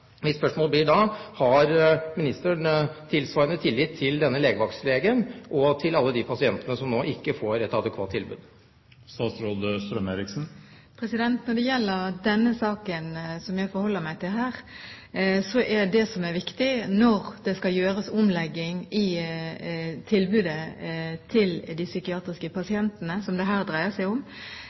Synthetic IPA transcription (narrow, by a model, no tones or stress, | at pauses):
ʋɪspœʂmoːlblɪːɖɑhɑɾmɪnɪst̪əɳət̪ʰɪlsʋɑɾənət̪ʰɪlːɪt̪ʰːɪld̪ɛnːəleːɡəʋɑksleːɡənʔɔt̪ʰɪlɑlːəd̪ipʰɑsɪɛnt̪ənəsɔmnoːʔɪkːəfoːɾɛt̪ɑd̪əkʰʋɑːt̪ʰːɪlbʉ̰ːd̪ | st̪ɑːt̪sɾoːd̪əst̪ɾœmeːɾɪksn̩ | pʰɾɛsɪd̪ɛnt̪nɔɖɛjɛlːəɾd̪ɛnːəsɑːkənsɔmjæɪfɔɾhɔlːəɾmæɪt̪ʰɪlɦæːɾ | sɔʔɛɖɛsɔmæɾʋɪkt̪ɪnɔɾd̪̥ɛskɑljøːɾəsʊmlɛɡːɪŋɪ | t̪ʰɪlbʉːd̪ət̪ʰɪld̪ɪsʏkɪɑːt̪ɾɪskəpʰɑsɪɛnt̪ənəsɔmd̪ɛɦæːʁd̪ɾæɪəsæɪʊm